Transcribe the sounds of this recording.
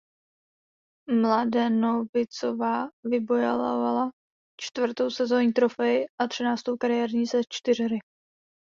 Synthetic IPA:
mladɛnovɪt͡sovaːvɪbo̞ja̰la̰vala | t͡ʃt̪vr̩t̪o̞wsɛzo̞ːɲiːt̪ɾofɛjɪʔat̪r̝̥ɪnaːt͡st̪o̞wkaɾɪjɛːɾɲiːzɛt͡ʃt̪ɪr̝ɪɾɪ

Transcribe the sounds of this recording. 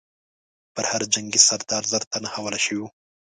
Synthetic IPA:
pəɾhaɾd͡ʒaŋɡisaɾd̪ɑɾzaɾt̪anahawalaʃəwiwu

